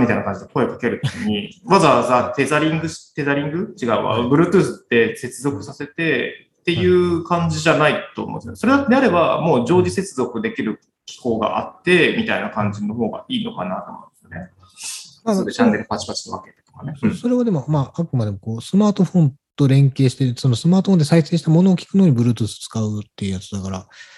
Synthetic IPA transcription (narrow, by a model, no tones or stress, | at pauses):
mit̪ainakãɲ̟d͡ʑid̪eko̞e̞kḁke̞ɾɯ̟t̪o̞kʲiɲ̟iβazaazat̪e̞zaɾʲĩŋɡɯ̟ɕt̪e̞zaɾʲĩŋɡɯ̟t͡ɕiɡaɯβa̰bɯ̟ɾɯ̟ːt̪ɯːsɨt̪ːe̞se̞t͡sɨzo̞kɯ̟sase̞t̪e̞ | t̪e̞jɯ̟ːkãɲ̟d͡ʑiʑanait̪o̰ːmõ̰nd̪esjoneso̞ɾe̞d̪at̪ːed̪eaɾe̞ba̰mo̞ːʑo̞ːʑise̞t͡sɨzo̞kɯ̟d̪e̞kʲiɾɯ̟ | kʲi̥ko̞ːɡa̰ʔa̰t̪ːe̞mʲit̪ainakãɲ̟d͡ʑino̞ɦo̞ːɡa̰iːno̞kanat̪o̰mõ̰nsjne̞ | maoeɕãnd̪eɾɯ̟pat͡ɕi̥pat͡ɕi̥t̪oβa̰ket̪o̥t̪o̥kanesoːso̞ɾe̞βad̪e̞mo̞maakɯ̟mad̪e̞moko̞ːsɨmaːt̪o̞ɸõ̞nt̪o̞ɾẽ̞ŋke̞ːɕi̥t̪eso̞no̞sɨmaːt̪oɸond̪e̞saise̞ːɕi̥t̪amo̞no̞ːkʲi̥kɯ̟noːɲ̟ibɯ̟ɾɯ̟ːt̪̬ɯ̟ːsɨ̥t͡sɨ̥kaɯt̪ːe̞jɯ̟jat͡sɨd̪akaɾa